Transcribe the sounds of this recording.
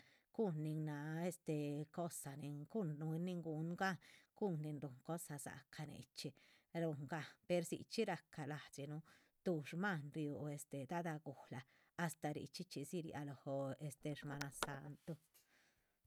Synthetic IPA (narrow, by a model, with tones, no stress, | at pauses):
ɡ̥u˦nːi˧ŋna˧e˦˧st̪e˨ko˦sa˨ni˧ŋɡu˦nnu˧˦nːi˧ŋɡu˧nɡa˦ɡ̥u˦nːi˧nɾu˨ŋko˦sa˧za̰˨ka˧nḛ˨t͡ʃi˧ | ɾu˧ŋɡa˦pe˧ɾsḭ˨t͡ʃi˦ɾa˧ka˨la˨t͡ʃi˧nu˦ | t̪u˧ʃma˦˧nɾju˨e˧st̪e˨d̪a˦d̪a˧ɡu˨hlaː˨˧ | st̪a˨˧ɾḭ˨˧t͡ʃi˦t͡ʃi˧si˦ɾja̰˧lo˨ho˨˧e˧st̪e˧ʂma˧na˧sa˧nt̪o˧